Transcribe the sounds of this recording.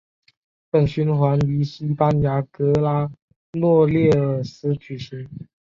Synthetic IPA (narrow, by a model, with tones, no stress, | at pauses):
pə˨˩nɕy˥nxwa˧˥ny˧˥ɕi˥pa˥nja˧˥kɤ˧˥la˥ | nwɔ˥˧ljɛ˥˩ə˨˩sɹ̩˥t͡ɕʰy˨˩ɕi˧˥ŋ